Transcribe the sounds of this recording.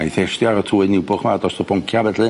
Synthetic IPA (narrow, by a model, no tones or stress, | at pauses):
iθestjaɾɔtʰuːɨnɪwbʊχmadɔstɔbɔŋkʰjavɛdlˠɨ